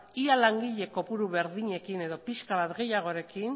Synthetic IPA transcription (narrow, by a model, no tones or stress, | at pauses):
ialaŋɡiʎe̞ko̞puɾuβe̞ɾðiɲe̞kine̞ðo̞piskaβat̪ɡe̞jaɣ̞o̞ɾe̞kin